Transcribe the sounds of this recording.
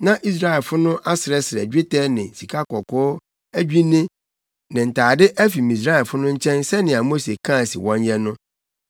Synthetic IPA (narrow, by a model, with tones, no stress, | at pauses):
nã˦ʔi˦s̬ɾa˦ɛ˨lfʊ˦nʊ̃˦ʔa˦sɪ˨ɾɛ˦sɪ˨ɾɛ̰˨d͡ʑᶣe˦tʰɛ˦nɪ̃˨si˨kʰa˦kɔ˨kʊ˦ | æ˦d͡ʑᶣi˦nɪ̃˦ | nɪ̃˨n̩˨tʰaː˨dɪ˦ʔæ˦fi˨mĩ˨s̬ɾa˦ɛ˨lfʊ˦nʊ̃˦ɲ̩˦t͡ɕʰɛ̃˦nsɛ˦nɪ̃˨a˨mo˦se˨kʰã˦˨sɪ̰˨wɔ̃˦ɲ˦ɲɛ̃˦nʊ̃˦